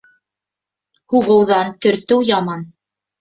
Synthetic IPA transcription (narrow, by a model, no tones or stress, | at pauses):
huʁɤ̆wðɑnt̪ɵ̆ɾt̪ɘwjɑmɑn